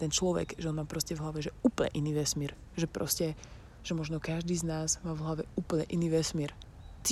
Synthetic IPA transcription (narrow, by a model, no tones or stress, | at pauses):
t̪ɛnt͡ʃlɔʋɛ̰ɡʒɛɔnmaːpɾɔscɛvɦlaʋɛʒɛuːpl̩ɲɛ̰ʔiniːʋɛsmiːɾ | ʒɛpɾɔ̰scɛ | ʒ̥ɛmɔʒnɔkaʒd̪iːznaːzmaːvɦlaʋɛuːpl̩ɲɛ̰ʔiniːʋɛsmiɛɾt̪